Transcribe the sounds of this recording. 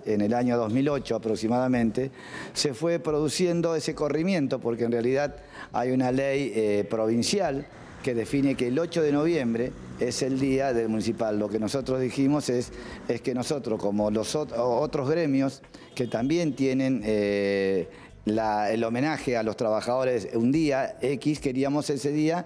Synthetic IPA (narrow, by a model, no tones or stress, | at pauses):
enelaɲoðo̞zmilo̞t͡ʃoapɾoksimaðamẽnt̪e̞ | sefwe̞pɾo̞ðusje̞nd̪o̞eseko̞rimjẽ̞nt̪o̞po̞ɾkeːnrealiðað | a̰junalejepɾo̞β̞insjal | ke̞ðe̞fine̞keːlo̞t͡ʃoðeno̞βje̞mbɾeeseld̪iaðe̞lmũnisipalːo̞keno̞sot̪ɾozðiximo̞seseskeno̞so̞t̪ɾosko̞mo̞losoot̪ɾo̞zɣɾe̞mjos | ket̪ambje̞nt̪je̞nẽ̞ne | laelo̞mẽ̞naxe̞alo̞st̪ɾaβaxaðo̞ɾe̞sund̪iaekiskeɾiamo̞se̞se̞ðia